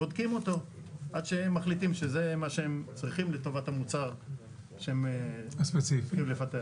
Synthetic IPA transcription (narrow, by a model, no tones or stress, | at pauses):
od̪kimo̞t̪o̞ | ʔad̪ʃeemːaχlit̪imʃeze̞maʃeemt͡sʁiχimle̞t̪o̞vatamut͡saʁ | ʃeemaspet͡sifimlefat̪ea